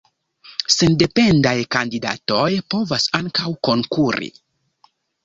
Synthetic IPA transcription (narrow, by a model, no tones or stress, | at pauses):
sende̞pe̞ndajkandida̰to̞jpo̞vasaŋkawko̞ŋkuɾḭ